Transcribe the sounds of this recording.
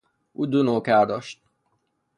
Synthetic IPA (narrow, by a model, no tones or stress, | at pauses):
ud̪unoːkaːd̪ɔʃt̪̚